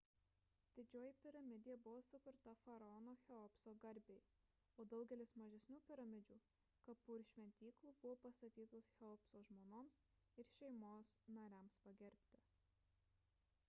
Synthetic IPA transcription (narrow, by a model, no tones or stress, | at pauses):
d̪̥ʲɪd͡ʒʲoːjɪpʲɪɾɐmʲɪd̪ʲɪjɛbʊʋoːsʊkʊɾt̪ɐfɐɾɐɔnoːxʲɛɔpsoːɡɐɾʲbʲeɪ | oːd̪ɐʊɡʲɛlʲɪsmɐʒʲɛsʲnʲuːpʲɪɾɐmʲɪd͡ʒʲuː | kɐpuːɾʲʃʲʋʲɛnʲt̪ʲiːklˠuːbʊʋoːpɐst̪ɐt̪ʲiːt̪oːsxʲɛɔpsoːʒmoːnoːms | ɪɾʃʲɛɪmoːsnɐɾʲæmspɐɡʲɛɾʲpʲt̪ʲɪ